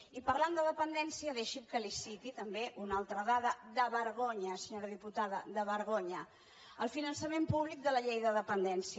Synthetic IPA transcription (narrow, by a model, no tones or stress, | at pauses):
ipəɾland̪əðəpənd̪ɛnsiəðeʃimkəlisit̪it̪əmbeʔunalˠt̪ɾəðaðəd̪əβəɾɣ̞oɲəsəɲoɾəðiput̪aðəðəβəɾɣ̞oɲə | əlˠfinənsəmempuβlik̚d̪ələʎejðəðəpənd̪ɛnsiə